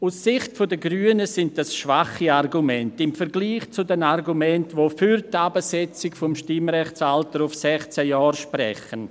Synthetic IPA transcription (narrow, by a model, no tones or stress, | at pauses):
usːɪχtfodəɡɾyːənəsɪnt̚dasʃvaχiarɡumɛntɪmfəɾɡliːχt͡sudɛnarɡumɛntvofyɾtabəsɛt͡sɪkfɔmʃtɪmɾɛχt͡saltəɾufsɛχt͡sɛjɔːrʃpɾɛ̰χən